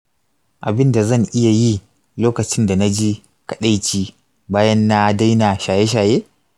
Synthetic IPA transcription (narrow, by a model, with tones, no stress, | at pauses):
ʔa˨bɪ˦nda˨zɐ˦˨ŋʔɪ˦ja˨ji˦ | loː˦kɐ˨t͡ʃɪ˦nda˨na˦d͡ʒiː˦ | kɐ̥˨ɗa˦jt͡ʃiː˦ | baː˦jɐ˦nːa˦da˦jna˨ʃaː˨je˦ʃ̬aː˨jeː˦